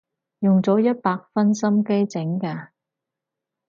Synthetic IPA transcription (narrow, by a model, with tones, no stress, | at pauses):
jʊ˨ŋt͡sɔː˨˥jɐ˥t̚paː˧k̚fɐ˥nsɐ˥mke˥jt͡sɪ˨˥ŋkaː˧